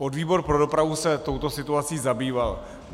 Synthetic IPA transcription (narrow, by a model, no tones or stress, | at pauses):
ʔo̞dviːbo̞ɾpɾo̞do̞pɾavusɛt̪o̞wt̪o̞sɪt̪uat͡siːzabiːval